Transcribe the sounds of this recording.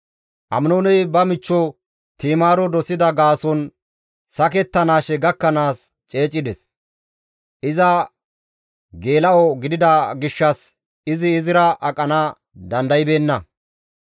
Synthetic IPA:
ʔɐ̰mnoːnɛjbɐmɪt͡ʃːɔ | t̪iːmaːɾɔd̪ɔsɪd̪ɐɡaːsɔn | sɐkɛt̪ːɐnaːʃɛɡɐkːɐnaːs | t͡ʃʼe̞ːt͡ʃʼːɪd̪ɛs | ʔɪzɐ | ɡe̞ːlɐɔɡɪd̪ɪd̪ɐɡɪʃːɐs | ɪzɪːzɪɾɐʔɐkʼːɐna | d̪ɐnd̪ɐjbe̞ːnːɐ

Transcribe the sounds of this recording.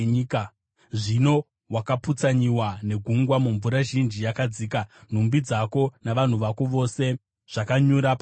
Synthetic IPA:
iːka | ʐino̞ | wakaput͡saɲiwane̞ɡʱuŋɡwamuɱvuɾaʒind͡ʒijakad͡ziːkan̤umbid͡zako̞naʋan̤uʋakoʋo̞se̞ | ʐ̥akaɲuɾap

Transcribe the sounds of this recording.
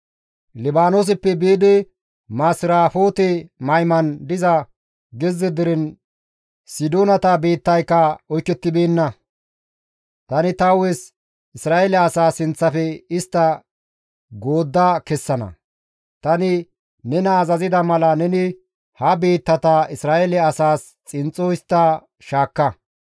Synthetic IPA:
lɪbaːnoːs̬ɪpːɛbeːd̪ɪ | maːsɪɾaːfo̞ːt̪ɛmɐjmɐnd̪ɪzɐ | ɡɛzːɛd̪ɪɾɛn | sɪd̪oːnɐt̪ɐbeːt̪ːɐjkːɐɔjkːɛt̪ːɪbeːnːɐ | t̪ɐnɪt̪ɐwɛs | ɪsɾaːɛlɛɐsaːsɪnt͡sːɐfɛɪst̪ːɐ | ɡo̞ːd̪ːɐkɛsːɐnɐ̰ | t̪ɐnɪ | nɛnɐːzɐzɪd̪ɐmɐlɐnɛnɪ | hɐbeːt̪ːɐt̪ɐɪsɾaːʔɛlɛɐsaːs | t͡sʼɪnt͡sʼːɔjɪst̪ːɐ | ʃaːkːɐ

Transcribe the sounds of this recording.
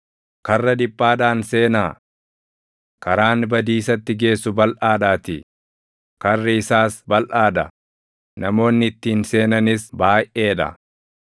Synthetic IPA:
kɐrːɐd̪ɪpːaːd̪aːnse̞ːnaː | kɐɾaːnbɐd̪iːsɐt̪ːɪɡe̞ːsːʊbɐlʔaːd̪aːt̪ɪ̰ | kɐrːɪɪsaːsbɐlʔaːd̪ɐ | nɐmo̞ːnːɪɪt̪ːiːnse̞ːnɐnɪsbaːjʔʔe̞ːᶑɐ̰

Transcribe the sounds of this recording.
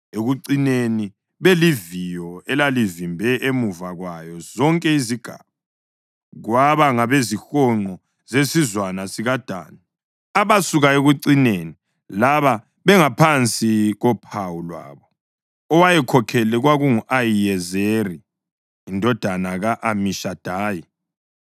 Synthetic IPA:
eɣuǀineni | βelivijɔɛlalivimbʱɛʔemuvaɣwajɔzɔŋkʼɛiziɡ̥ʱa̰ːβa | ɣwaβaŋaβezixɔŋ͡ǃɔ | zesizwanasiɣad̥ʱa̰ːni | aβasuɣaeɣuǀineni | laβa | βɛŋapʰant͡sʼiɣɔpʰawulwa̰ːβɔ | ɔwajɛkʰɔkʰɛlɛɣwaɣuŋuʔajijɛzeriː | ndʱɔd̥ʱanaɣaʔamiʃad̥ʱaːji

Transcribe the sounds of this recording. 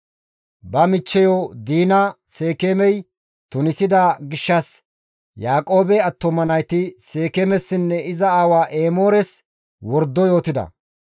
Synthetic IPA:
bɐmɪt͡ʃːɛjoːd̪iːnɐ | seːkemɛj | t̪ʊnɪsɪd̪aɡɪʃːɐs | jaːkʼo̞ːbɛɐt̪ːɔmɐnɐjt̪ɪse̞ːkeːmɛsːɪnːɛɪzɐaːwaːʔeːmo̞ːɾɛs | wɔɾd̪ːɔjo̞ːt̪ɪd̪ɐ̰

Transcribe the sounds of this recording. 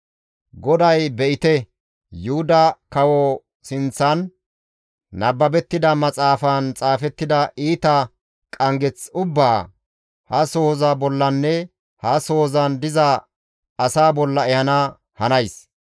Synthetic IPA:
ɡɔd̪ɐjbɛʔɪt̪ɛ | jʊhʊd̪ɐkɐwɔ | sɪnt͡sːɐn | ɐbːɐbɛt̪ːɪd̪ɐmɐt͡sʼaːfɐnt͡sʼaːfɛt̪ːɪd̪ɐiːt̪ɐ | kʼɐŋɡɛt͡sʊbːaː | hɐsoːzɐbɔlːɐnːɛ | hɐsoːzɐnd̪ɪzɐ | ɐsaːbɔlːɐɛhɐnɐ | hɐnɐjs

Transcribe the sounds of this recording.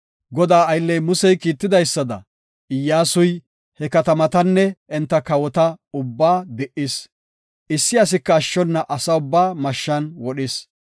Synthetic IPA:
ɡɔd̪aːɐjlːɛjmʊsɛjkiːt̪ːɪd̪ɐjsːɐd̪ɐ̰ | ɪjːaːsʊj | hɛkɐt̪ɐmɐt̪ɐnːɛʔɛnt̪ːɐkɐwɔt̪ɐʊbːaːd̪ɛʔɪs | ʔɪsːɪɐs̬ɪkːɐːʃːɔnːɐʔɐsɐʊbːaːmɐʃːɐnwɔɗɪs

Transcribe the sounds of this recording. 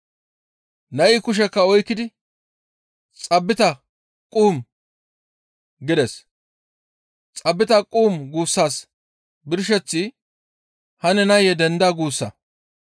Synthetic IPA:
nɐjɪkʊʃ̬ɛkːɐɔjkːɪd̪ɪ | t͡sʼɐbːɪt̪ɐ | kʼuːm | ɡɪd̪ɛs | t͡sʼɐbːɪt̪ɐkʼuːmɡuːsːaːs | bɪɾʃ̬ɛt͡sːɪ | hɐnɛnɐjɛd̪ɛnd̪aɡuːsːɐ

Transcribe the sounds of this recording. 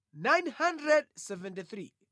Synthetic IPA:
najnhandrɛd̚sɛvɛ̃ntiθɾḭ

